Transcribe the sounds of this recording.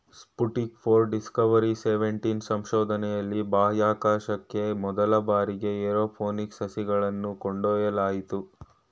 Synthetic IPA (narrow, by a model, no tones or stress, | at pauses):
spuʈnikpʰoːɾɖiskɐʋɐɾiseʋeɳʈinsɐmʃɔːd̪ʱɐnɛjɐlːibaːɦjaːkaːʃɐkːe̞mɔd̪ɐlɐbaːɾiɡe̞eɾoːpʰoːniksɐsiɡɐɭɐnːukoɳɖoːjɐlaːjit̪u